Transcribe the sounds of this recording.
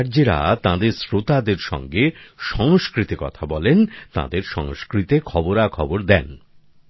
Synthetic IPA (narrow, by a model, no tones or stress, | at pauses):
ɾd͡ʑeɾa̰t̪ãd̪eɾsɾot̪ad̪eɾʃɔ̰ŋɡeʃɔŋoskɾit̪ikɔt̪ʰabɔlent̪ã̰d̪eɾʃɔŋoskɾit̪ekʰɔboɾakʰɔboɾd̪ɛn